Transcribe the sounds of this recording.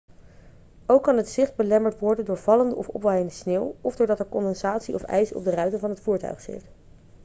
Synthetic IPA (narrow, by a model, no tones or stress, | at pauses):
owkːɑnɦətsɪχd̚bəlɛməɹtʋɔɹdəndʊːɹvɑləndəɔfɔ̰pʋajəndəsneːwɔvdʊːɹdɑtɛɹkɔndɛnsaːtsiɔ̰fɛ̰jsəɔ̰b̚dərœɥtəvɑnɦətfuːɹtœ̰ɥχsɪ̰t